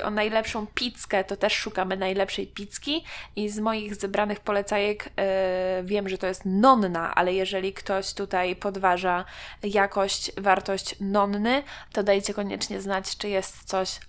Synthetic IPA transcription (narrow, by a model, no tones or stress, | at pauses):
ʔɔ̰najlɛpʂɔ̃w̃pʲit̪skɛt̪ɔt̪ɛʂːukamɘnajlɛpʂɛjpʲit̪skʲiizmɔjiɣzɛbɾanɘxpɔlɛt̪sajɛk | vʲjɛmʐɛt̪ɔjɛst̪nɔnːaʔa̰lɛjɛʐɛlʲikt̪ɔɕt̪ut̪ajpɔd̪vaʐajakɔɕt͡ɕvaɾt̪ɔɕt͡ɕnɔnːɘt̪ɔd̪ajt͡ɕɛkɔɲɛ̰t͡ʂɲɛznat͡ɕt͡ʂɨjɛst̪sɔɕ